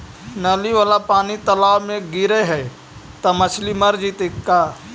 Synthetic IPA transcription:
nəliʋaːlapaːnit̪əlaːʋmẽɡɪɾeɦɛː | t̪ɐmət͡ʃʰliməɾd͡ʒit̪ekːaː

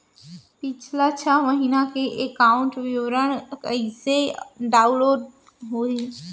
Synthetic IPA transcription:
pɪt͡ʃʰlat͡ʃʰaʋəɦinakeʔekaːʊ̃ɳʈʋjoːɾəɽ̃kəiseɖaːʊ̃nloːɖ | ɦoe

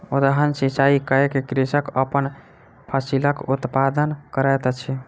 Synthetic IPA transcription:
od̪əɦənsit͡ʃaikəekekɾesəkəpən | pʰəsiləkut̪pad̪ənkəɾɛt̪t͡ʃʰɛ

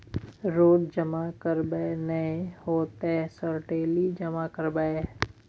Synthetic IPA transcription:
ɾoːɖd͡ʒəmakəɾbəenəehoːt̪esəɾʈeːlid͡ʒəmakəɾbae

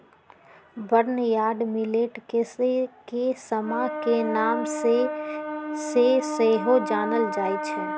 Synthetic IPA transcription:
bəɾnjaːɾɖmileʈkesekesəmakenaːmse | sesəɦod͡ʒaːnəld͡ʒajt͡ʃʰɛ

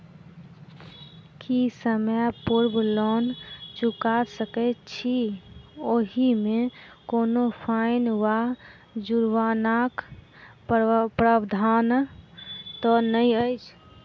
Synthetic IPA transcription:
kisəmapuɾbʱlɔnt͡ʃukasəkɛt͡ʃʰi | oɦimekoːnopʰaɪnwa | d͡ʒuɾwanak | pɾəbd̪ʱan | t̪ɔnəĩəjt͡ʃʰ

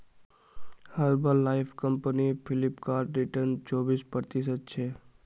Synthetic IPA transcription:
həɾbəlːaːɪpʰkəmpənipʰɪlɪpkaːɾʈɾɪʈənt͡ʃoːbispɾəɾət̪ɪsəd̪̚t͡ʃʰeː

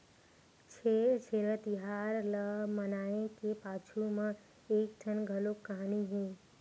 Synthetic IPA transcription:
t͡ʃʰet͡ʃʰeːɾət̪ɪɦaːɾləmənaːẽkepaːt͡ʃʰumə̃ | eːk̚ʈʰənɡʱəlokːəɦaniɦẽː

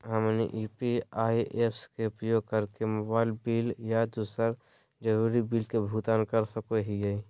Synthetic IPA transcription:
ɦəmnḭʔipiaːiʔepʰskeʊpəjoɡ̚kəɾkemobaːɪlbiːljad̪uːsəɾ | d͡ʒəɾuɾibiːlkebʱut̪aːnkəɾsəkoɦie

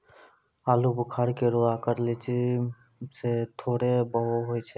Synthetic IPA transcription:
alubkʰaɾkeɾoakaɾlit͡ʃʰi | set̪ʰoɽebɔɦoɦojt͡ɕʰe

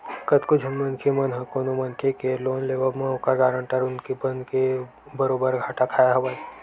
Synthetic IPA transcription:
kət̪kʊd͡ʒʱɐmːənkʰemənɦəkoːnomɐnkʰekeloːnleːʋəlmẽokəɾɡaːɾə̃ɳʈəɾʊnkebənd̪ke | bəɾoːbəɾɡʱaːʈakʰaːjaɦɐʋad͡ʒ

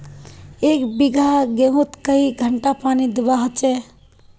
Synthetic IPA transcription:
ekbiɡʱaɡeɦũt̪kəiɡʱəɳʈapaːnid̪ibaɦət͡ʃɛ

